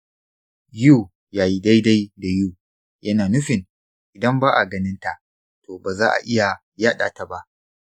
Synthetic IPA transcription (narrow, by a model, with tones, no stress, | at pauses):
ju˦˨ | jaː˨ji˦da˦jda˦jda˨juː˦˨ | jɐ˦naː˨nʊ˦ɸɪ˨n | ʔɪ˨dɐ˦mbaː˦ʔa˨ɡɐ˦nɪ˦nta˨ʔ | toː˨baː˨zaː˦ʔa̰˨ʔɪ˦ja˨ | jaː˦ɗa̰ː˨ta˨ba˦ʔ